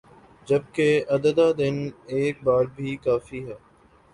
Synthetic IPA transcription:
d͡ʒɐb̚keɐd̪əd̪aːd̪ɪneːk̚baːɾbʱiːkaːfiːɦɛː

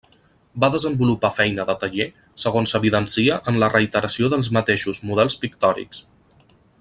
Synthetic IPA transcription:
baðəzəmbulupafɛjnəðət̪əʒe | səɣ̞onsəβiðənsiəʔənlərəit̪əɾəsioðəlˠzmət̪eʃuzmuðɛlˠspikt̪ɔɾḭks

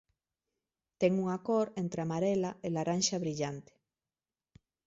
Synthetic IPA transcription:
t̪ɛŋuŋakoɾent̪ɾeamaɾelaelaranʃaβɾiʎant̪e̥

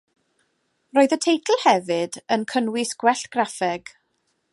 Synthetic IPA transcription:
roːɨðətʰejtʰl̩ˠhɛvɨdənkʰənwɪsɡ̥wɛɬtɡ̥rafɛɡ̥

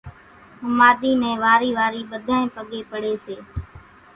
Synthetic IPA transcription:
ɦʊmaːd̪iːnɛ̃ːʋaːɾiːʋaːɾiːɓəd̪ʱaːẽːpəɠeːpəɽeːseː

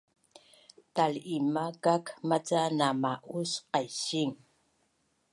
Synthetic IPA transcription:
t̪alimakakmat͡sanamaʔusqajɕiŋ

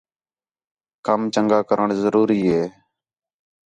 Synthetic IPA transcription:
kəmt͡ʃəŋɡaːkəɾəɳzəɾuːɾiːɦeː

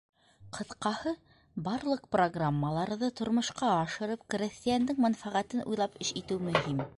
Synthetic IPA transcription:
qʰɤ̆θqɑhɤ | bɑɾlˠɤq̚proɡramːəlˠɑɾðɤt̪ŏɾmŏʃqɑɑʃɤ̆ɾɤp̚krʲĕst̪ijand̪ɘŋmænfæʁæt̪ɘnʔṵjlˠɑpɘʃit̪ɘwmɵ̆ɦim

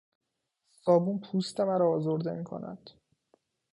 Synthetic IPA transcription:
sɒːbunpʰust̪emæɾɒːzoɾd̪e̞miːkʰo̰næ̰d̪̥

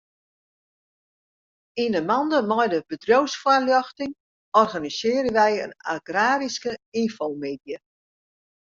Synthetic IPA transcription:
inəmɑndəmɔjdəb̥ədrowsfwaljɔxtɪŋ | ɔrɣanisɪːəɾəʋɛjə̰na̰ɡraːɾiskəinfolˠmeːdjə

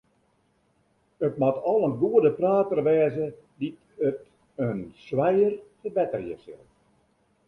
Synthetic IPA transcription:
ətmatɔlˠənɡuədəpraːtərʋɛːzə | dit | ət | ənswɛjərtəbɛtərjə̰sɪ̰lˠ

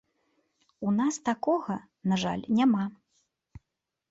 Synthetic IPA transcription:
unast̪akɔɣɐ | naʐa̰lʲnʲama

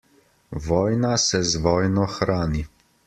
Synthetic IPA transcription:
ʋɔːjnasɛzʋɔːjnɔxɾaːni

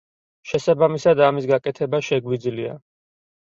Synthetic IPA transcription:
ʃɛsabamisad̪amisɡakʼɛt̪ʰɛbaʃɛɡwid̪zlia̰

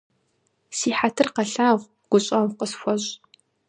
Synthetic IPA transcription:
siːħatʰɨrqɐɬaːʁʷ | ɡ̥ʷʊɕʼɐwqəsxʷɔʑʼ

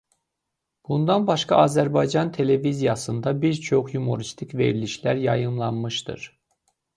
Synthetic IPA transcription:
b̥und̪ɑnbɑʃkɑ̰ɑzæɾbɑjd͡ʒɑnt̪ʰe̞le̞vizijɑsɯnd̪ɑbiɾt͡ʃʰo̞χjumuɾist̪ʰikve̞̰ɾiliʃlæɾjɑjɯmlˠɑnmɯʃt̪ɯ̰ɾ̥

